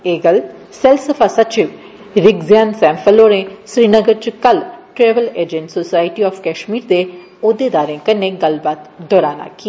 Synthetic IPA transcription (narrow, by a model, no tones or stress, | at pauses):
eːɡəl | sɛlsəfʰaːsət͡ʃɪʋ | ɾɪɡzɪjaːnsɛ̃ːmpʰəloːɾẽːʃɾiːnəɡəɾt͡ʃʊkəlʈɾeːʋəleːd͡ʒẽɳʈsoːsaːɪʈiɔːfʰkɛːʃmiːɾd̪e | oːd̪eːd̪aːɾẽːkənːeːɡəlbaːt̪d̪ɔːɾaːna̰ːki